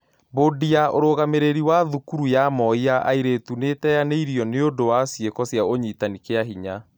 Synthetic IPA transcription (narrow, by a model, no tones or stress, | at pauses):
bodiaoɾoɣameɾeɾiwaðukuɾujamɔiaʔa̰iɾetunetɛjaneiɾiɔneondowasjekɔsjaoɲitanikeaɦiɲa